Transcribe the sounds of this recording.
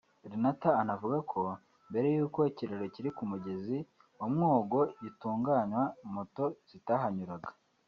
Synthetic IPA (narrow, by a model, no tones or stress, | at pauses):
ɾinataːnavuɡakʰo̞ | mbe̞ɾe̞juːko̞iciɾo̞ɾo̞ciɾikumuɟe̞zi | wamŋoːɡo̞jituːŋɡaːɲwamoto̞z̥itaɦaɲuɾaɡḁ